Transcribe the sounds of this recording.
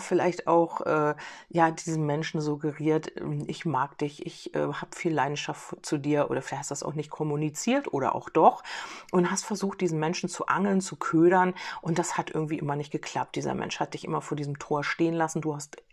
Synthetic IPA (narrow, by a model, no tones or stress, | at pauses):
fɪlaɪçta̰ʊxʔɛːjaːdiːzn̩mɛnʃn̩zʊɡəʁiːɐtʰɛ̰ʔɪçmaːkd̥ɪçʔɪçʔɛ̰ːhaːbfiːllaɪdn̩ʃaftt͡sudiːɐʔo̰ːɾɐfɪlaɪçhstːdu̥dasaʊxnɪçt̚kʰɔmunit͡siːɐtʔoːɾɐ̰ʔa̰ʊxd̥ɔχʔʊnthastfɛɐzuːxt̚d̥iːzn̩mɛnʃn̩t͡suʔa̰ŋl̩nt͡sukʰøːɾɐnʔʊntd̥ashatʔɪ̰ɐɡŋ̩tv̥iːʔɪ̰mɐnɪçt̚ɡ̥əkʰl̥ap̚t̚d̥iːzɐ̰mɛ̰nʃhat̚d̥ɪçʔɪ̰mɐfoːɐdiːzəmtʰoːɐʃteːənlasn̩duːhast